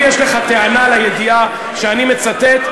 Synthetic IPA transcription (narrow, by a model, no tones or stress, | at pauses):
jɛʃleχat̪eanalajed̪ia | ʃeanimet͡sat̪et̪